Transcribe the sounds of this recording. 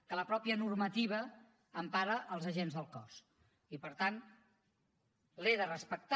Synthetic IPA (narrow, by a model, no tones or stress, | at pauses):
kələpɾɔpiənurmət̪iβ̞əː | mpaɾəʔːlˠzəʒenzðəlˠkɔs | ipəɾt̪an | leðərəspək̚t̪